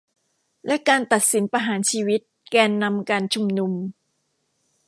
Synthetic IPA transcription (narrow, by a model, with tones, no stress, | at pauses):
lɛ˦˥ʔkaː˧nt̪a˨˩t̪̚si˩˦npa˧ɦaː˩˦nt͡ɕʰiː˧wi˦˥t̪̚kɛː˧nːa˧mkaː˧nt͡ɕʰu˧mnu˧m